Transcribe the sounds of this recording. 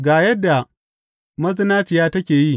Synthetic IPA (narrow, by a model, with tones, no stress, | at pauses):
ɡaː˨jɐ˦dːa˨ | mɐ˦zɪ˦naː˦t͡ʃɪ˨jaː˦tɐ˦kʲeː˨ji˦˨